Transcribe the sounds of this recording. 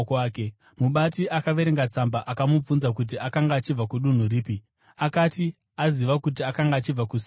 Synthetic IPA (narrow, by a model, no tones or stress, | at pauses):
kaːke | muɓatiʔakaʋe̞ɾeŋɡat͡sambaʔakamub͡vunzak̬ut̬iakaŋɡaːt͡ʃib͡vakuɗun̤uriːpi | akati | aziʋakut̬iakaŋɡaːt͡ʃib͡vakus